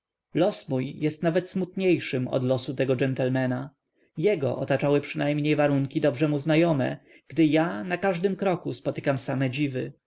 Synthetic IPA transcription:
lɔsmujjɛst̪navɛt̪smut̪ɲejʂɘmɔ̰d̪lɔsut̪ɛɡɔd͡ʒɛnt̪ɛlmɛna | jɛɡɔ̰ʔɔt̪at͡ʂawɘpʂɘnajmɲejvaɾuŋkʲid̪ɔbʐɛmuznajɔmɛ̰ | ɡ̥d̪ɘjanakaʐd̪ɘmkɾɔkuspɔt̪ɘ̥kamsamɛd͡ʑivɘ

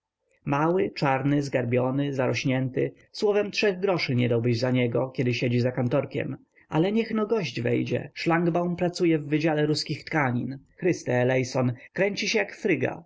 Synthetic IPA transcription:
mawɪt͡ʂaɾnɘzɡaɾbʲjɔnɘzaɾɔɕɲɛnt̪ɘ̰ | swɔvɛmtʂɛɣɡɾɔʂɘɲɛd̪awbɘʑzaɲɛɡɔkʲɛd̪ɘɕed͡ʑizakant̪ɔɾkʲɛ̰m | ʔalɛɲɛxnɔɡɔʑd͡ʑvɛ̰jd͡ʑɛ̰ʂlaŋɡbawnpɾat̪sujɛvːɘd͡ʑalɛɾuskʲixt̪kaɲḭnxɾɘst̪ɛːlɛjsɔnkɾɛɲt͡ɕiɕɛjakfɾɘɡa̰

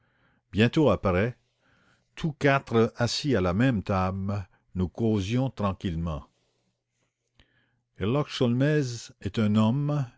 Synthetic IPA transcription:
bjɛ̃t̪oapaʁɛ | t̪ʰukat̪ʁəasialamɛ̃mt̪am | nukozjɔ̃t̪ʁɑ̃kʲilmɑ̰̃ | ɛlɔkʃɔlmɛzɛt̪ɛ̃nɔm

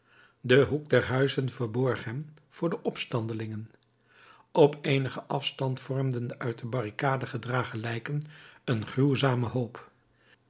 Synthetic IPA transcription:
dəɦuk̚dɛɹɦœɥzənvəɹbɔɹχɦɛm | v̥ʊːɹdəʔɔpstɑndəlɪŋən | ɔpʰejnəχəʔɑfstɑntfɔɹmdəndəʔœɥt̚dəbɑrikaːdəχədraːχəlɛjkənənχruwzaːməɦowp

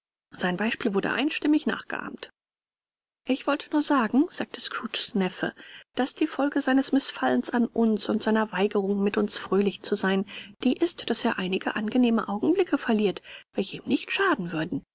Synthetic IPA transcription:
z̥aɪnbaɪʃpiːlvʊɐdə̰ʔa̰ɪ̃nʃtɪmɪçna̰ːχɡ̥ə̰ʔa̰ːmt | ʔɪçv̥ɔltʰənuːɐzaːɡŋ̩z̥aːk̚tʰə̥skʁ̥uːt͡ʃsnɛfə̰d̥asd̥iːfɔlɡəzaɪnəsmɪsfalənsanʔʊnsʊntz̥aɪnɐvaɪɡəʁ̞ʊŋmɪtʊnsfʁ̥øːlɪçt͡suzaɪnd̥iːʔɪstd̥aseːɐʔaɪnɪɡəʔanɡəneːməʔaʊɡŋ̩blɪkʰəfɛɐliːɐtv̥ɛlçəiːmnɪçtʃaːdn̩vʏɐdn̩

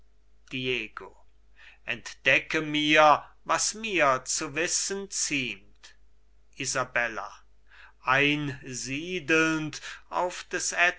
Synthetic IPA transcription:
d̥ieːɡo | ʔɛntd̥ɛkəmiːɐvasmiːɐt͡suvɪsənt͡siːmt | ʔizabɛla̰ | ʔaɪnziːdl̩nta̰ʊfd̥ɛsɛ

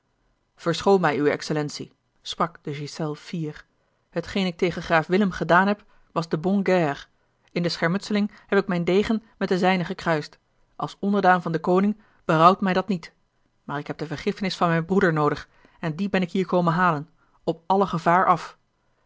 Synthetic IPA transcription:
v̥əɹsχowmɛjywɛ̰ksəlɛnsi | sprɑkd̥əʒisɛlˠfiːr | ɦətχejnɪk̚tejχəχraːfʋɪləmχədaːnɦɛp | ʋɑzdəbɔŋɡɛr | ɪndəsχɛɹmɵtsəlɪŋ | hɛpɪkmɛjndejχənmɛt̚dəzɛjnəχəkrœɥst | ʔɑlˠsɔndəɹdaːnvɑndəkownɪŋ | b̥ərʌwtmɛjdɑtnit | maːɹɪkɦɛp̚d̥əvəɹχɪfənɪsfɑnmɛjnbrudəɹnowdəχ | ɛndibɛnɪkɦiːɹkowmənɦaːlən | ɔp̚ɑləχəvaːɹɑf

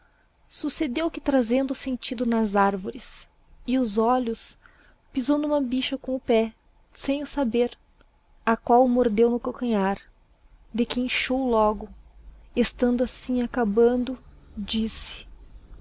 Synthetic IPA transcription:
sused̪ewkɪt̪ɾazẽnd̪ʊsẽnt͡ʃid̪ʊnɐzaɾvoɾɪs | ɪʊzɔʎʊs | pizownũmɐbiʃɐkõʊpɛ | sẽj̃ʊsabeɾ | akwawmoɾd̪ewnʊkokɐ̃ɲaɾ | d̪ɪkɪẽʃowlɔɡʊest̪ɐ̃nd̪ʊasĩakabɐ̃nd̪ʊd͡ʒisɪ̥

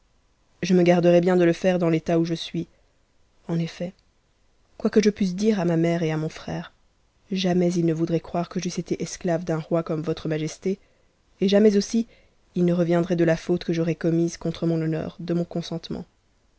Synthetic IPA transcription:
ʒəməɡaʁd̪əʁɛbjɛ̃d̪ələfɛʁd̪ɑ̃let̪auʒəsɥi | ɑ̃nefɛ | kwakəʒəpɥys̬d̪iʁamamɛʁeamɔ̃fχɛːʁ | ʒamɛzilnəvud̪ʁɛkχwaʁkəʒyset̪eʔɛsklavd̪ɛ̃ʁwakɔmvɔt̪χəmaʒɛst̪eː | ʒamɛzosi | ilnəʁəvjɛ̃d̪ʁɛd̪əlafot̪kəʒɔʁɛkɔmizkɔ̃t̪χəmɔ̃nɔnœ̰ːʁd̪əmɔ̃kɔ̃sɑ̃t̪mɑ̰̃

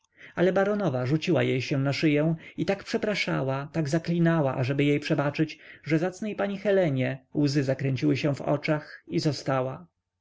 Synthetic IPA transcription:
alɛbaɾɔnɔvaʐut͡ɕiwa̰jejɕɛw̃naʂɘjɛw̃it̪akpʂɛpɾaʂa̰wat̪aɡzaklʲinawaʔaʐɛbɘjejpʂɛbat͡ʂɘt͡ɕʐɛzat̪snɛjpaɲixɛlɛɲɛwzɘzakɾɛɲt͡ɕiwɘɕɛ̃vɔ̰t͡ʂaxizɔst̪awa

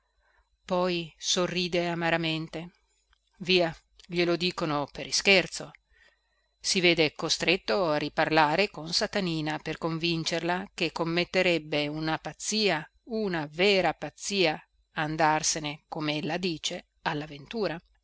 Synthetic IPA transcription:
pɔjsorːiːd̪eamaɾament̪e | viːa | ʎelod̪iːkonopeɾiskert̪so | siveːd̪ekost̪ɾet̪ːoarːiparlaːɾekonsat̪aniːnaperkoɱvint͡ʃerlakekːomːet̪ːeɾɛbːeunapat̪sːiːa | unaveːɾapat̪sːiːa | and̪arsenekomeelːad̪iːt͡ʃe | alːavent̪uːɾa

